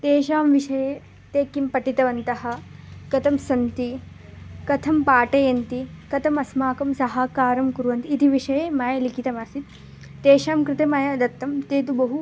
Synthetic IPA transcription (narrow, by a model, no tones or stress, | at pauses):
t̪eːʃaːmʋiʂɐjeː | t̪eːkːimpɐʈit̪ɐʋɐnt̪ɐɦɐ̆kɐt̪ʰɐmsɐnt̪i | kɐt̪ʰɐmpaːʈɐjɐnt̪ikɐt̪ʰɐmɐsmaːkɐmsɐɦaːkaːɾɐmkuɾuʋɐnt̪iːt̪iʋiʂɐjeːmaːjɐlikit̪ɐmaːsit̪ː | eːʃaːmkɾɪt̪emaːjɐɐd̪ɐt̪ːɐmt̪eːt̪̬ubɐɦu